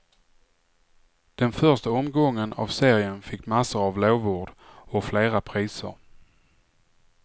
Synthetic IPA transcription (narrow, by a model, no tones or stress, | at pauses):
d̪̥ɛnfœʂʈaɔmɡɔŋːəna̰vseːɾɪənfɪkːmasːəɾavloːvuːɖɔfleːɾapʰɾiːsə̰ɾ